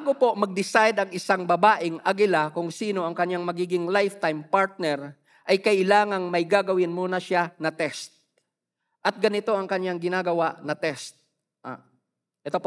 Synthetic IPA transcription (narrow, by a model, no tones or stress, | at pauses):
ɡopo̞mɐɡ̚d̪ɪsajd̪ɐŋʔɪsaŋbɐbaːʔɪŋɐɡɪlakʊŋsiːno̞ʔɐŋkɐɲaŋmɐɡiːɡɪŋlajft̪ajmpaɹt̪̚nɛɾ | ʔɐjkɐʔɪlaːŋɐŋmɐjɡaɡɐwɪnmuːnɐʃanɐt̪ɛst̪̚ | ʔɐt̪̚ɡɐnɪt̪o̞ʔɐŋkɐɲjaŋɡɪnaːɡɐwaʔnɐt̪ɛst̪̚ | ʔa̰ | ʔɛt̪op